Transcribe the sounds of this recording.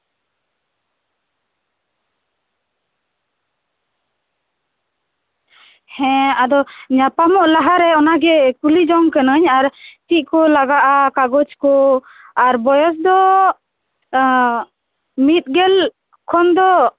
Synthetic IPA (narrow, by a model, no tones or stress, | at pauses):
hɛ̃ad̪ɔɲapamɔʔlaɦaɾɛɔnaɡɛkulid͡ʒɔŋkənəɲaɾt̪iʔ̚kɔlaɡaʔakaɡɔd͡ʒkɔ | aɾbɔjɔs̬d̪ɔ | mit̪̚ɡɛl | kʰɔnd̪ɔ